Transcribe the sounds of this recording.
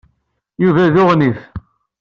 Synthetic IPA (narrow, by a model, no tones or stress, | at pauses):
juvæðʊʁniθ